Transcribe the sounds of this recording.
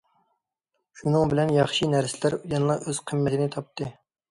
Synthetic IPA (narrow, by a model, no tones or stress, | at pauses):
ʃunɨŋbɪlɛnjɑχʃinæɾsɪlæɾujɑnlˠɑʔøz̥qʰəmːɛt̪ʰɪnɪt̪ʰɑp̚t̪ɨ